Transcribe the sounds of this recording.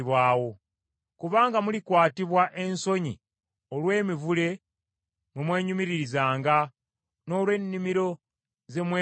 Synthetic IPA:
βwaːwo̞ | kuβaːŋɡamulikwaːtiβwaʔe̞nso̞ɲḭ | olwe̞ːmivule̞ | mwimwe̞ːɲumiɾiɾizaːŋɡa | no̞ːlwe̞nːimiɾo̞ | ze̞mwe

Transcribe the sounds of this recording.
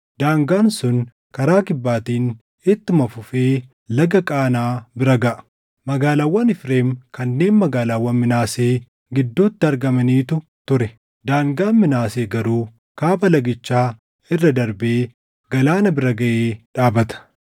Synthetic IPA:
d̪̥aːŋɡaːnsʊn | kɐɾaːkɪbːaːt̪iːn | ɪt̪ːɪmɐfʊfeː | lɐɡɐkʼaːnaːbɪɾɐɡɐʔɐ̥ | mɐɡaːlaːwːɐnɪfɾe̞ːmkɐnːe̞ːnmɐɡaːlaːwːɐnmɪnaːse̞ː | ɡɪd̪ːuːt̪ːɪɐɾɡɐmɐniːt̪ʊt̪ʊɾɛ | d̪aːŋɡaːnmɪnaːseːɡɐɾuː | kaːpɐlɐɡɪt͡ʃːaː | ɪrːɐd̪ɐɾbeː | ɡɐlaːnɐbɪɾɐɡɐʔeːᶑaːbɐt̪ɐ̥

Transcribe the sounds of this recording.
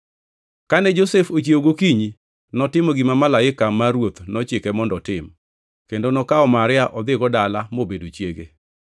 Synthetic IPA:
kanɛd͡ʒosefot͡ʃioɡokiɲi | nɔtɪmoɡimamalaɪkamaɾwot̪nɔt͡ʃɪkɛmɔndɔtɪm | kendonɔkaɔmaɾɪaʔɔd̪ɪɡɔdalamobedot͡ʃjeɡe

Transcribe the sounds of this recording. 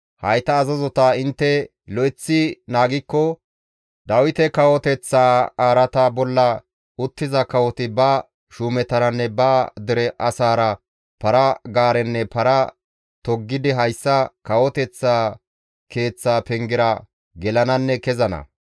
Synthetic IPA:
hɐjt̪ɐːzɐzɔt̪aːɪnt̪ːɛ | lɔɪt͡sːɪnaːɡɪkːɔ | d̪ɐwɪt̪ɛkɐwɔt̪ɛt͡sːaːaːɾɐt̪abɔlːɐ | ʊt̪ːɪzɐkɐwɔt̪ɪbɐ | ʃuːmɛt̪ɐɾɐnːɛbɐd̪ɪɾɛʔɐsaːɾɐ | pɐɾɐɡaːɾɛnːɛpɐɾɐ | t̪ɔɡːɪd̪ɪɦɐjsːɐkɐwɔt̪ɛt͡sːaː | ke̞ːt͡sːaːpɛŋɡɪɾɐ | ɡɛlɐnɐnːɛkɛzɐnɐ̰

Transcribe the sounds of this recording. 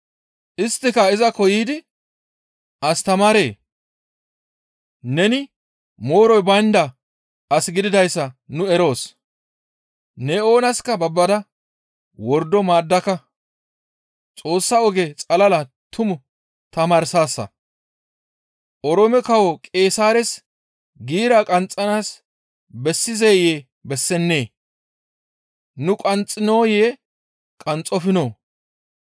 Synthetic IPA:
ʔɪst̪ːɪkɐɪzɐkɔjiːd̪ɪ | ʔɐst̪ɐmaːɾe̞ː | nɛnɪ | mo̞ːɾɔjbɐnd̪ɐ | ʔɐsɡɪd̪ɪd̪ɐjsːɐnʊɛɾo̞ːs | nɛo̞ːnɐskɐbɐbːɐd̪ɐ | wɔɾd̪ɔmaːd̪ːɐkɐ | t͡sʼo̞ːsːɐɔɡɛt͡sʼɐlɐlɐt̪ʰʊmʊ | t̪ɐmaːɾsaːsːɐ̰ | ʔɔɾɔmɛkɐwɔkʼe̞ːsaːɾɛs | ɡiːɾaːkʼɐnt͡sʼːɐnaːs | bɛsːɪzeːjeː | bɛsːɛnːe̞ː | nʊkʼɐnt͡sʼːɪno̞ːjeː | kʼɐnt͡sʼːɔfɪnoː

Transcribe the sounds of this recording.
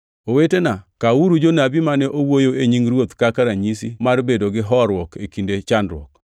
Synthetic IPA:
owetenakauɾud͡ʒonabimanɛʔowojoeɲiŋɾwot̪kakaɾaɲis̬ḭmarbedoɡɪɦɔɾwɔkekindet͡ʃandɾwɔ̰k

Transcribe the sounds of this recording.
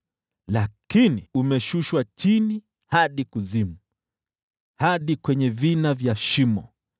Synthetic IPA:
lakiniumɛʃuʃwat͡ʃini | haɗikuzimu | haɗikwɛɲɛvinavjaʃimɔ

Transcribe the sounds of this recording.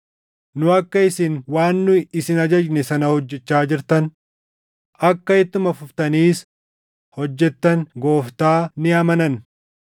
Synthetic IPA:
nʊɐkːɐɪsɪnwaːnːʊɪsɪnɐd͡ʒɐd͡ʒnɛsɐnɐhɔd͡ʒːɛt͡ʃːaːd͡ʒɪɾt̪ɐn | ɐkːɐɪt̪ːʊmɐfʊft̪ɐniːs | hɔd͡ʒːɛt̪ːɐnɡo̞ːft̪aːnɪɐmɐnɐn

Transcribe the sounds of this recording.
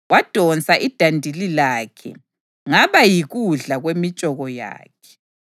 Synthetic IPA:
wad̥ʱɔnt͡sʼaʔid̥ʱandʱililaːkʰɛ̰ | ŋaβajiɣuɮaɣwemit͡ʃʼɔɣɔja̰ːkʰɛ̥

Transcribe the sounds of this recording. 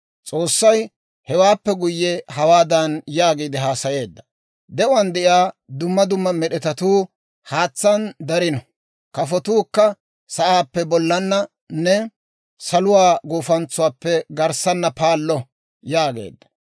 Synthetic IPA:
t͡sʼo̞ːsːɐj | hɛwaːpːɛɡʊjːɛɦɐwaːd̪ɐnjaːɡiːd̪ɪɦaːsɐje̞ːd̪ːɐ̥ | d̪ɛʔʊɐnd̪ɛʔjaːd̪ʊmːɐd̪ʊmːɐmɛɗɛt̪ɐt̪uː | haːt͡sːɐnd̪ɐɾɪnɔ | kɐfɔt̪uːkːɐ | sɐʔaːpːɛbɔlːɐnːɐ | nɛ | sɐlʊwaːɡoːfɐnt͡sːʊwaːpːɛɡɐɾsɐnːɐpaːlːɔ | jaːɡe̞̰ːd̪ːɐ̥

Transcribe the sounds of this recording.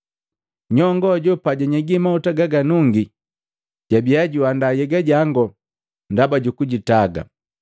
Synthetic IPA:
ɲɔŋɡɔɟɔpaɟaɲɛɡimautaɡaɡanuŋɡi | ɟ̥abijaɟuandajɛɡaɟaŋɡɔ | ndabaɟukuɟitaɡa̰

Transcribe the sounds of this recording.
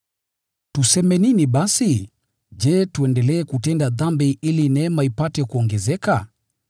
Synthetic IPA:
tusɛmɛniniɓasi | d͡ʒɛtuɛndɛlɛːkutɛndaðambiilinɛmaipatɛkuɔŋɡɛzɛka

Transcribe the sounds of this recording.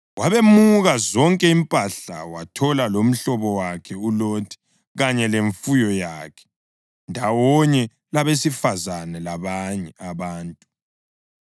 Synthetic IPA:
waβemuɣazɔŋkʼɛimpʼaɬa̰watʰɔlalom̩ɬɔβɔwakʰɛulotʰi̥ | ɣaɲɛleɱfujɔjaːkʰɛ̥ | ndʱawɔɲɛ | laβesifazanɛlaβaɲɛaβaːntʼu

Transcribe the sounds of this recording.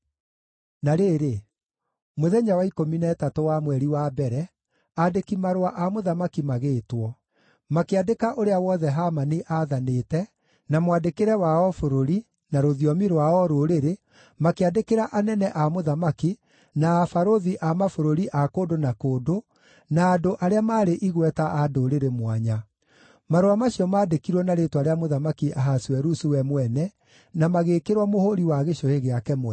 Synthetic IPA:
naɾeɾe | moðɛɲawaikominɛtatowamwɛɾiwaːbɛɾɛ | adekimaɾwaʔamoðamakimaɣeːtwɔ | makeadekaʔoɾeawɔðɛɦamaniʔaðaneːtɛ | namwadekeɾɛwaɔfoɾoɾi | naɾoðiɔmiɾwaɔɾoɾeɾe | makeadekeɾaʔanɛnɛʔamoðamaki | naːfaɾoðiʔamafoɾoɾiʔakodonakoːdo | naːndoʔaɾeamaːɾeʔiɣwɛtaadoɾeɾemwaɲa | maɾoamaɕiɔmaːdekiɾwɔnaɾetwaɾeamoðamakiʔaɦaswɛɾusuwɛmwɛnɛ | namaɣeːkeɾwamohoɾiwaɣeɕoheɣeakɛmwɛ

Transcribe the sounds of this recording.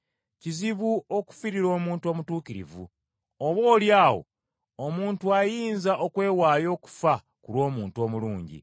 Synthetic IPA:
ciziβuo̞ku̥fiɾiɾo̞ːmuːntuo̞ːmutuːkiɾḭvṵ | oβo̞ːljaːwo̞̰ | omuːntuajiːnzaʔokwe̞ːwaːjo̞ːku̥fa | kulwo̞ːmuːntuo̞ːmuluːɲɟḭ

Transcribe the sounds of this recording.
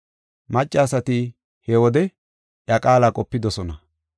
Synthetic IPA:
mɐt͡ʃʼːaːsɐt̪i | hɛwɔd̪ɛ | ʔjɐkʼaːlaːkʼɔpːɪd̪ɔsɔnɐ

